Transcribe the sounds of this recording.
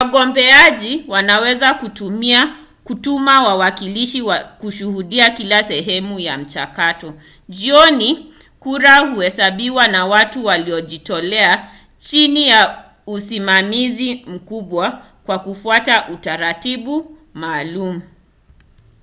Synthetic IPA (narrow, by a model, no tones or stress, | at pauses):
waɠɔmbɛaʄiwanawɛzakutumia | kutumawawakiliʃiwakuʃuhuɗiakilasɛɦɛmujam̩t͡ʃakatɔ | ʄiɔni | kuɾahuhɛsaɓiwanawatuwaliɔʄitɔlɛa | t͡ʃinija | usimamizim̩kuɓwa | kwakufuataʔutaɾatiɓu | maːlumu